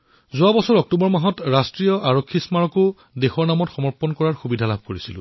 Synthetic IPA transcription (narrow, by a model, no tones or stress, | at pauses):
zʊwabɔsɔɹɔk̚tubɔɹmaɦɔtɹastɹijɔʔaɹokʰːismaɹɔkʊ | dexɔɹnamɔtxɔmɔɹpɔnkɔɹaɹxubidʱalab̚ʱkoɹisilʊ̰̃